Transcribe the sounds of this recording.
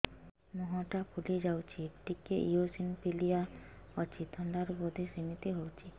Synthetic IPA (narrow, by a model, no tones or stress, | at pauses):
mɔɦɔ̃ʈapʰuled͡ʒawt͡ʃʰiʈikeʔijosinpilija | ɔt͡ʃʰit̪ʰɔɳɖaɾbɔd̪ʱesinit̪iɦowt͡ʃʰi